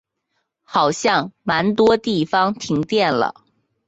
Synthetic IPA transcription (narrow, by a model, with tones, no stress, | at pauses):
xɑ˨˩ʊɕjɑ˥˩ŋma˧˥nt̪wɔ˥t̪i˥˩fɑ˥ŋt̪ʰi˧˥ŋt̪jɛ˥˩nlə̰˨˩